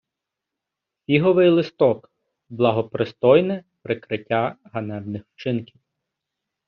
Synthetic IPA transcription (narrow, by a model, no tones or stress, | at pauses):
fʲiɦɔʋɪjlˠɪst̪ɔk | blˠɐɦɔpɾɪst̪ɔjnɛpɾɪkɾɪtʲːaɦɐnɛbnɪxwt͡ʃɪnkʲiw